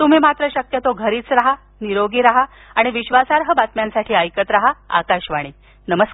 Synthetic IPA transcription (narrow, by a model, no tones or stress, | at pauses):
t̪um̤iːmat̪ɾəɕəkjət̪oɡʱəɾiːt͡sɾaɦa | niɾoɡiːɾaɦa | aɽ̃iʋiɕʋasaɾɦəbat̪mjansaʈʰiːəjkət̪ɾaɦaa̰kaɕʋaɽ̃i | nəməs